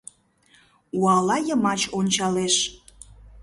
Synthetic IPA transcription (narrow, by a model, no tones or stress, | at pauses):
uɑlɑjəmɑt͡ɕonʲt͡ɕɑleʃ